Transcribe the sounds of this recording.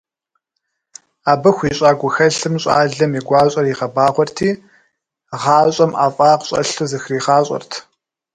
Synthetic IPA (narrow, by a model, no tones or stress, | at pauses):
aːbɨxʷiɕʼaːɡʷʊxɐɬɨmɕʼa̰ːɮɨmiɡʷɑːɕʼɐriʁɐbaːʁʷɔrtʰiː | ʁɑːɕʼɐmʔaːfʼaːqɕʼɐ̰ɬuzɨxriːχɑːɕʼɔ̰rtʰ